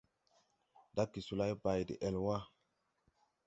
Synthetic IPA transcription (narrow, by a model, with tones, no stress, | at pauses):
da˦ki˨su˨la˦jba˨jdḭ˨ʔe˨lwa˦